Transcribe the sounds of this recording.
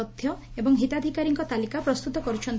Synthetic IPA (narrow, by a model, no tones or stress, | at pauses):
ɔt̪ʰjɔ | ebɔŋɦit̪ad̪ʱikaɾiŋkɔt̪alikapɾɔst̪ut̪ɔkɔɾut͡ʃʰɔnt̪